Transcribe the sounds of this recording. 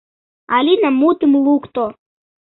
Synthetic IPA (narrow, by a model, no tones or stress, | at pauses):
alʲinamut̪ɨmlˠukt̪o